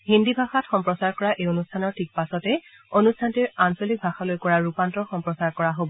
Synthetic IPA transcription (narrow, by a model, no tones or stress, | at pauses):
hindibʱaxatxɔmpɹɔsaɹkɔɹaʔejonustʰanɔɹtʰik̚pasɔtɛ | onustʰantiɹansolik̚bʱaxalojkɔɹaɹupantɔxɔmpɹɔsaɹkɔɹaɦobɔ